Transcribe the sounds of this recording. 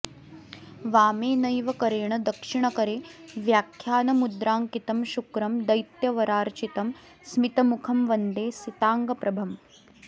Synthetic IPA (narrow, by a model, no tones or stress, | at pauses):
ʋaːmeːnɐjʋɐkɐɾeːɳɐd̪ɐkʂiɳɐkɐɾeːʋjaːkʰjaːnɐmud̪ɾaːŋkit̪ɐmʃukɾɐmd̪ɐjt̪jɐʋɐɾaːɾt͡ʃit̪ɐm | smit̪ɐmukʰɐmʋɐnd̪eːsit̪aːŋɡɐpɾɐbʱɐm